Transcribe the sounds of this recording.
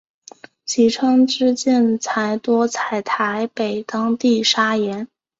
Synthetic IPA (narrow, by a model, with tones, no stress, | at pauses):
t͡ɕʰi˧˥ʈ͡ʂʰɤ˥ŋʈ͡ʂɻ̩˥˧t͡ɕjɛ˥˩nt͡sʰa˧˥ɪt̪wɔ˥t͡sʰa˧˩ɪt̪ʰa˧˥ɪpe˨˩ɪt̪ɑ˥ŋt̪i˥˩ʂa˥jɛ˧˥n